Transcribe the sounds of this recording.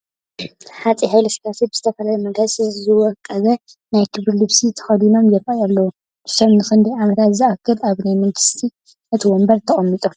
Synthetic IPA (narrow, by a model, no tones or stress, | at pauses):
ħat͡sʼihajlɐʃkasibɨzɨt̪ʰɐfɐlajumɐɡazsɨzɨwɔkʼːɐβɐ | najkʰɨβɾilɨβsit̪ʰɐ̥xɐd̪ino̞mjɛɾʼajalːɐwu | dɨʃɐmnɨxɨnd̪iʕamɐt̪ʰat̪ziakʰːɨlaβnajmɐŋɡɨst̪ʰi | ʔɨt̪ʰiwɔmbɐɾt̪ʰɐχʼɐmːit̪ʼo